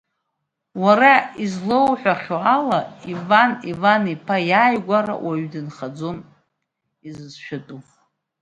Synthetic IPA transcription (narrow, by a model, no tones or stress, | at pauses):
waɾaizlowħʷᶣaχʲoalaivanivanipʰajaːjɡʷaɾa̰wʔaɥdɨnχad͡zo̞n | izɨzʃᶣatʼuχ